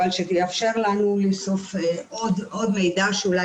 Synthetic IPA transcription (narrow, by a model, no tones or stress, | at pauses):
alʃet̪iafʃe̞ʁlanuleso̞feʔod̪o̞d̪mejd̪aʃeula